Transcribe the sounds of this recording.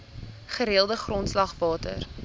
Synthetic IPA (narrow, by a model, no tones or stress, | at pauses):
χəɾeəlˠdəχrɔntslɐχvɑːtə̰r